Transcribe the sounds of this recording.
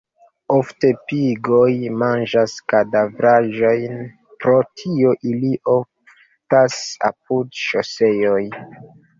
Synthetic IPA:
ofte̞piɡojmand͡ʒaskadavɾaʒo̞jn | pɾo̞tʰioʔiliʔoff | tasa̰p̚udʃose̞joj

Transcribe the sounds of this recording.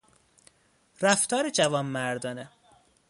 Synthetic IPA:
ɾæft̪ɒːɾed͡ʒævɒːnmæɾd̪ɒːne

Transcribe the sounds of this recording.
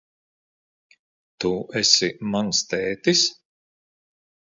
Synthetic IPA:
t̪uɛsʲimanst̪ɛːt̪is

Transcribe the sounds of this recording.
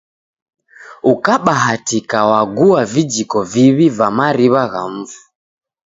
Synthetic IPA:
ukaɓaɦatikawaɡuavid͡ʒikɔviβivamaɾiβaɣam̩vu̥

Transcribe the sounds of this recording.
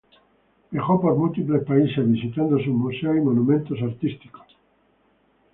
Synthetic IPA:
beχopoɾmult̪iplespaisezβisit̪and̪osumusaimonũmẽnt̪os̬aɾt̪ist̪iko̥

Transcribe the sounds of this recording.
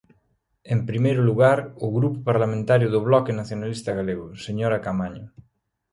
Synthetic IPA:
empɾimejɾʊluɣaɾʊɣɾupʊpaɾlamẽnt̪aɾjʊðʊβ̞lɔkenaθjonalist̪aɣaleɣʊseɲoɾakamaɲʊ

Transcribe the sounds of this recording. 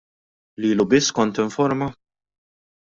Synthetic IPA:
liːlubɪsːkɔnt̪ɪɱfɔɾmɐ

